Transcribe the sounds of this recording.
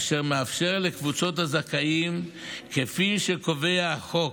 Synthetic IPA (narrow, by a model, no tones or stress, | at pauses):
ʃeʁmeafʃe̞ʁlekvut͡so̞thazakaim | kefiʃeko̞ve̞aχo̞